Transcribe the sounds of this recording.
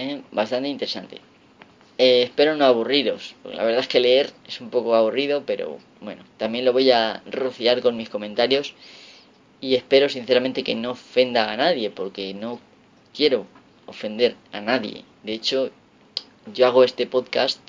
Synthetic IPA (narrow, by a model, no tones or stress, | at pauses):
ebast̪ant̪eint̪e̞ɾesant̪e̞̰ | eːspe̞ɾo̞no̞aβ̞uriɾo̞spokela̰βe̞ɾðaeske̞le̞eɾe̞sumpo̞koaβuriðo̞pe̞ɾo̞̰ | bwe̞̰not̪amje̞nlo̞βo̞jaroθiaɾko̞nmisko̞mẽ̞nt̪aɾjo̞s | ie̞spe̞ɾo̞sinθeamẽnt̪e̞ke̞no̞ofe̞nd̪aːnaðje̞po̞ɾke̞no̞ | kje̞ɾo̞ | ofe̞nd̪e̞ɾanaðje̞̰ | d̪e̞et͡ʃo̞ | ʝo̞aɣ̞oe̞st̪e̞po̞ðkast̪